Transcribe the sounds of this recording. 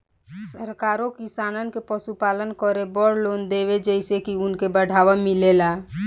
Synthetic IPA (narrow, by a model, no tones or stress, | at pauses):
səɾkaɾõkisanənkepəsupalənkəɾebɔɽlond̪eβed͡ʒəɪsekiʊnkebəɽʱaʋəmilela